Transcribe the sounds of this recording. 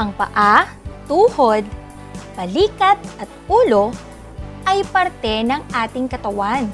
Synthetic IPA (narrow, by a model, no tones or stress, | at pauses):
ʔɐŋpɐ̰ʔa | t̪uːhod̪̚ | bɐliːkɐt̪̚ʔɐt̪̚ʔuːlo̞ | ʔɐjpɐɾt̪ɛnɐŋʔaːt̪ɪŋkɐt̪ɐwan